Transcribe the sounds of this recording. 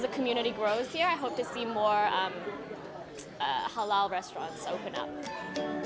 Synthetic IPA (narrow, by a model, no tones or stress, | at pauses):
zɨkʰəmjʉñɨɾiɡɹoʊθhiɹaɪɦoʊp̚tʰɨsimɔɹʌ̃m | ʌ̰həlalˠɹɛstɹ̥ɑ̰̃ntsoʊpɨ̃nʌ̰p̚